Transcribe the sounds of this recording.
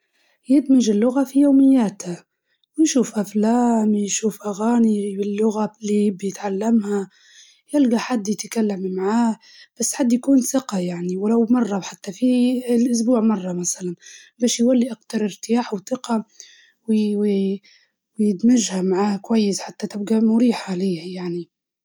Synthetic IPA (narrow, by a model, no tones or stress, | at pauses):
jɪd̪mɪʒɪlːʊɣafijoːmɪjːaːt̪ha | wjʃuːfʔaflaːmjʃuːfʔaɣaːnibɪlːʊɣalibjɪt̪ʕalːamha | jɪlɡaħad̪ːjɪt̪kalːammaʕaː | b̥asːħad̪ːjakuːnsɪqɑjaʕniwlawmɑrˤːɑħat̪ːafilʔʊs̬buːʕmɑrˤːɑmasalanbæːʃjwalːiʔaqt̪ɑɾˤɪɾt̪ɪjaːħwθɪqɑ | ww | wjɪt̪maʒhamaʕaːkwajːɪsħat̪ːat̪ɪb̚ɡamʊɾiːħaliːhajaʕni